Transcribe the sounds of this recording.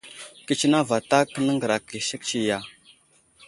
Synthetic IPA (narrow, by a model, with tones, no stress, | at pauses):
ki˦t͡ʃi˦na˦va˨ta˦kə˦nə˦ŋɡə˨ɾa˨ki˨si˦kt͡ʃi˦ja˨